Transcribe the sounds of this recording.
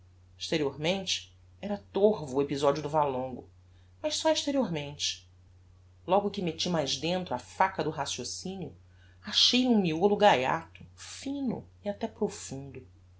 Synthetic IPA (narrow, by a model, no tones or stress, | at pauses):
iʃt̪eɾioɾmẽnt͡ʃɪ̥ | ɛɾɐt̪oɦvʊːepizɔd͡ʒiʊd̪ʊvalõŋɡʊ | mɐʃsɔiʃt̪eɾioɾmẽnt͡ʃɪ̥ | lɔɡʊkɪmet͡ʃimajʒd̪ẽnt̪ɾʊafakɐd̪ʊɦasjosĩniʊ | aʃejũmiolʊɡaja̰t̪ʊfĩnʊ̰iat̪ɛpɾofũnd̪ʊ